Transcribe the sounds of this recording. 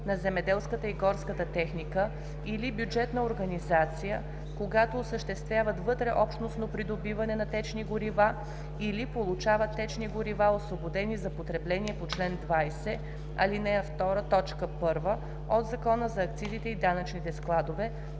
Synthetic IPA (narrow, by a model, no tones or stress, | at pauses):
nɐzɛmɛd̪ɛlˠskət̪əiɡɔɾskət̪ət̪ɛxnikə | ilibjud͡ʒɛt̪nəoɾɡɐnizat̪sijə | koɡat̪oːsəʃt̪ɛst̪vʲjavət̪vɤt̪ɾɛʔɔpʃt̪nosnopɾid̪obivɐnɛnɐt̪ɛt͡ʃniɡʊɾiva | ilipolˠut͡ʃavət̪ːɛt͡ʃniɡʊɾivaosvobod̪ɛnizɐpot̪ɾɛblɛniɛpot͡ʃlɛnd̪vajsɛ | ɐ̰linɛəft̪ɔɾət̪ɔt͡ʃkəpɤɾvə | od̪zɐkɔnəzɐːk̚t̪sizit̪ɛid̪anət͡ʃnit̪ɛsklˠad̪ovɛ